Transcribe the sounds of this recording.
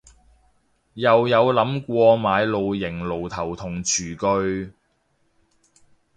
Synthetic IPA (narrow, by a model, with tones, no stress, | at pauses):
jɐ˨wjɐ˨˧wlɐ˨˥mkʷɔː˧maː˨˧jlo˨wjɪ˨˩ŋlo˨˩wt̪ʰɐ˨˩wt̪ʰʊ˨˩ŋt͡ʃʰyː˨˩kɵ˧ɥ